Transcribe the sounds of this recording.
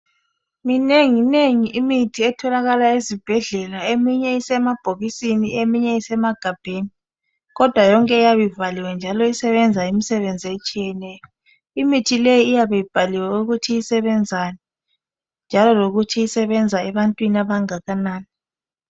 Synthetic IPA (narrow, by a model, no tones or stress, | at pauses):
mineŋineŋiʔimitʰiɛtʰɔlaɣalaezib̥ʱɛɮɛlaemiɲɛisɛmab̥ʱoɣisiniemiɲɛisɛmaɡ̥ʱab̥ʱeːni | ɣɔd̥ʱwajɔŋkʼɛjaβivaliwɛnd͡ʒʱalɔisɛβɛnd͡zʱaimisɛβend͡zʱet͡ʃʼijɛnɛjɔ | imitʰilejiːjaβejib̥ʱaliwɛuɣutʰiisɛβɛnd͡zʱanɛ | nd͡ʒʱalɔloɣutʰiisɛβɛnd͡zʱaɛβantʼwiniaβaŋaɣanaːni